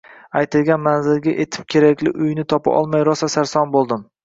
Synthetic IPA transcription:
ajt̪ʰɪlɡʲanmanzɪlɡʲaʔet̪ʰɪ̥p̚kʲʰe̞ɾakʲlɪ̰ʔʊjnɪt̪ʰɒpa̰ʔɒ̰lˠmajɾɒsasaɾsɒnbolˠd̪ɪm

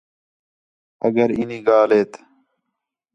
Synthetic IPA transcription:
ɐɡɐɾiniːɡaːleːt̪

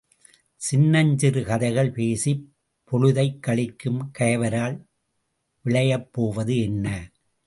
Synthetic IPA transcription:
sɪnːɐɲd͡ʒɪɾɯkɐðɐɪɣɐɭpeːsip | pːɔɻɯðɐɪkːɐɭɪkːɯmkɐjɐʋɐɾaːɭ | ʋɪɭɐjɐpːoːʋɐðɯɛnːɐ

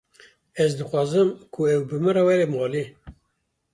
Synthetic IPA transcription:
ɛzd̪ɨxʷwɑːzɨmkʰuɛwbɨmɨrɛwɛɾemɑːli

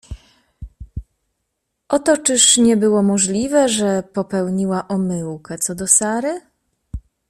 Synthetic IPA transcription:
ʔɔt̪ɔt͡ʂɘʂɲɛbɘwɔmɔʐlʲivɛʐɛpɔpɛwɲiwaʔɔmɘwkɛt̪sɔd̪ɔsaɾɘ

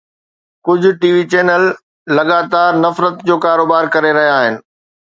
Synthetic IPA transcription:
kʊd͡ʑʱʊ̆ʈiːʋit͡ɕeːnəlː | ɐɠaːt̪aːɾnɐfɾət̪d͡ʑoːkaːɾoːbaːɾkɐɾeɾɐɦijaːɦɪnɪ̆

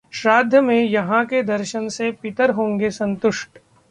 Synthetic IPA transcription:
ʃɾaːd̪ʱjəmẽjɐɦãked̪ɐɾʃənsepɪt̪əɾɦõːŋɡesɐ̃nt̪ʊʃʈ

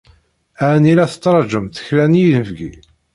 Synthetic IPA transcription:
ænilæθə̥t͡sːɾˤɑd͡ʒəmθə̥çlænijðəfɡi

